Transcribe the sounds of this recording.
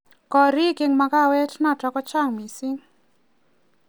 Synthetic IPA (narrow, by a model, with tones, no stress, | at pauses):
kɔ˨ɾi˦kɪ˦ŋma˨ka˦˨wɛ˦tna˦˨ta˨kɔ˦t͡ʃa˦˨ŋmi˨si˦ŋ